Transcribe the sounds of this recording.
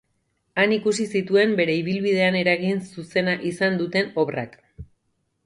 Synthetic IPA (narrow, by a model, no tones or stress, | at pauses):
anikusisit̪ue̞mbe̞ɾe̞iβ̞ilβið̞e̞ane̞ɾaɣinsuse̞naʔisand̪ut̪e̞no̞βra̰k